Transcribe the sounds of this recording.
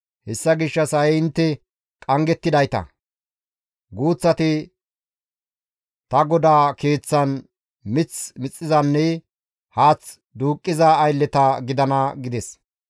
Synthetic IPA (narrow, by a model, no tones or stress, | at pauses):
hɛsːɐɡɪʃːɐsɐjɛɪnt̪ːɛ | kʼɐŋɡɛt̪ːɪd̪ɐjt̪ɐ̰ | ɡuːt͡sːɐt̪ɪ | t̪ɐɡɔd̪aːke̞ːt͡sːɐn | mɪt͡smɪt͡sʼːɪzɐnːɛ | haːt͡s | d̪uːkʼːɪzaːjlːɛt̪ɐɡɪd̪ɐnɐɡɪd̪ɛs